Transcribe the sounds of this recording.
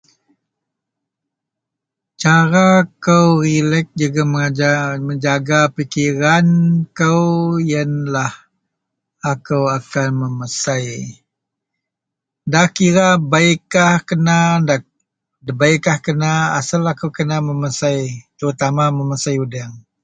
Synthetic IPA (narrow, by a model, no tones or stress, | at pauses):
t͡ʃaɾakəwɾilɛk̚d͡ʒuɡaməŋaaməɲd͡ʒaɡapikiɾankəwjənlah | akəwakanməməsaj | dahkiɾabaikːahkənada | dəbaikːahkənaa̰salakəwkənaməməsajt̪əɾut̪amaməmasajudaŋ